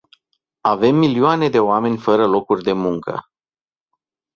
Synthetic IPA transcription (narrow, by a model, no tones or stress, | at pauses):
ave̞mːilioane̞d̪e̞oame̞nʲfəɾəlo̞kurʲd̪e̞muŋkə̰